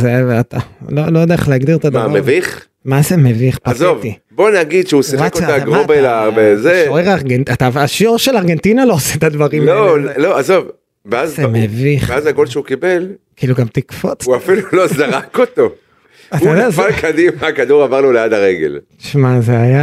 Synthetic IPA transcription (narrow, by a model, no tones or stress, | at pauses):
zeat̪alolojdeeχleaɡd̪iʁet̪admvaameviχ | mazemeviχpazovt̪ibo̞naɡid̪ʃeusiekotaɡʁobelabezeʃoeʁaʁɡenatavaʃoʁʃelaʁɡe̞nt̪inalooseet̪ad̪vaʁimolo̞azo̞v | veazzemeviχeazaɡolʃeukibe̞lkiiluɡamt̪ikfo̰tuafilulozaʁakot̪o̞ | at̪ajod̪eazfalkad̪imakad̪uʁavaʁnolead̪aʁeɡḛlti̥ʃmazeaja